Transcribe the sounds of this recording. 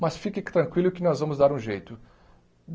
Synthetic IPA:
mɐsfikɪt̪ɾɐ̃ŋkwilʊkɪnɔzvɐ̃mʊzd̪aɾũʒejt̪ʊ

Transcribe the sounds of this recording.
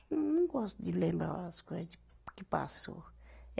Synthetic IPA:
nũɡɔst̪ud͡ʒilẽmbɾa̰askod͡ʒikipa̰so̰

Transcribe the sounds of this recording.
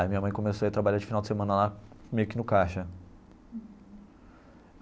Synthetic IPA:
mĩɲɐmɐ̃j̃kõmesoiat̪ɾabaʎad͡ʒɪ̥finawd͡ʒɪsemɐ̃nɐlamejʊkɪnʊkaʃɐ

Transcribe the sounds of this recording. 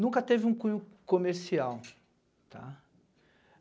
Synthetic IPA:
nũkɐt̪evɪũkũɲʊkomeɾsiaw | t̪ʰa̰

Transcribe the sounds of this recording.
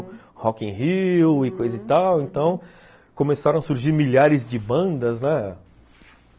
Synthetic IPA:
hɔkẽɦiwɪkojzɐzɪt̪awẽnt̪ɐ̃w̃ | kõmesaɾɐ̃wɐsuɾʒiɾmiʎaɾɪzd͡ʒɪbɐ̃d̪ɐznɛ

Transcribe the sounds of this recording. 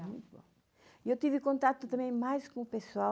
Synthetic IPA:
mũj̃t̪uβõ̰ | iewt̪ivɨkõnt̪at̪ʊt̪ɐ̃mẽj̃majʃkõupesua

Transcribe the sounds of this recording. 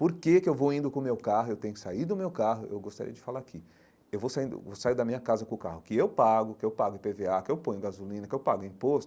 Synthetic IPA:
poɾkekɪewvowĩnd̪ʊkõmewkaɦʊewt̪ẽɲʊɪsaid̪ʊmewkaɦʊʔḛwɡost̪aɾḭɐd͡ʒɪfalaakɪ | ewvowsaĩnd̪ʊ̰vosaid̪ɐmĩɲɐkazɐkõkahʊkɪewpaɡʊkɪewpaɡʊɪ̃peveakɪewpõj̃ʊɡazulĩnɐkɪewpaɡʊĩpost̪ʊ

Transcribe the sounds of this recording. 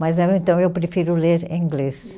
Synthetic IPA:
mɐzɛẽnt̪ɐ̃w̃ewpɾefiɾʊleɾĩɡles

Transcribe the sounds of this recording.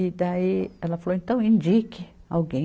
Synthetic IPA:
id̪aiɛlɐfaloẽnt̪ɐ̃w̃ĩnd͡ʒikɪa̰wɡẽ

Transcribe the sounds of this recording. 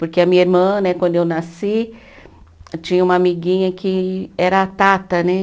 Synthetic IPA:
poɾkeɐmĩɲɐiɾmɐ̃nɛkwɐ̃nd̪ʊewnasi | t͡ʃĩɲɐũmɐamiɡĩɲɐkɪɛɾɐat̪at̪ɐnɛ

